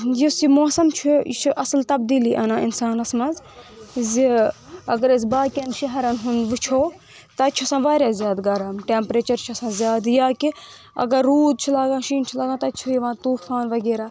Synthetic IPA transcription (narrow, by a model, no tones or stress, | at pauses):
jisimoːsɐmt͡ʃʰut͡ʃʰuʔɐslt̪ɐb̚d̪iːliːʔɐnãːɪnsaːnɐsmɐz | zi | ɐɡɐɾɐsbaːkɐnʃɐɦɐɾɐnɦʊ̃nd̪ʋɨt͡ʃʰoː | t̪ɐt͡ʃʰuɐsãːʋaːɾʲjaːzʲjaːd̪ɡɐɾɐmʈeːmpɾeːt͡ʃɐɾt͡ʃʰuɐsãːzjaːd̪jaːki | ɐ̰ɡɐɾːuːd̪̚t͡ʃʰilaːɡãːʃiːnt͡ʃʰilaːɡãːt̪ɐt͡ʃʰujiʋãːt̪uːfaːnʋɐɡeːɾaː